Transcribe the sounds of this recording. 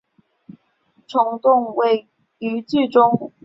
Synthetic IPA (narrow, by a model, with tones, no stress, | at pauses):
ʈ͡ʂʰʊ˧˥ŋt̪ʊ˥˨ŋwe˧˥ɪ | y˧˥t͡ɕi˥˨ʈ͡ʂʊ˥ŋ